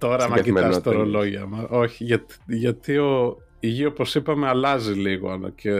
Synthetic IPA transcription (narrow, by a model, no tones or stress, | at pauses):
t̪o̞ɾɐmɐciɐsst̪oɾolo̞ʝiɐmɐo̞çiʝɐt̪ʝɐt̪io̞ | iʝio̞po̞sipɐmeɐlɐziliɣo̰ɐno̰cʰe